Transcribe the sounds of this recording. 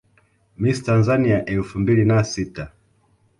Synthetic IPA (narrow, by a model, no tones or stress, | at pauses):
mistanzaniaʔɛlfumbilinasita